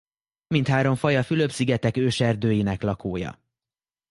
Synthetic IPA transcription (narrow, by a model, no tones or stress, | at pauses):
mint̪haːɾo̞ɱfɒjɒfylø̞bsiɡɛt̪ɛkøːʃɛrd̪øːjinɛklɒkoːjɒ̰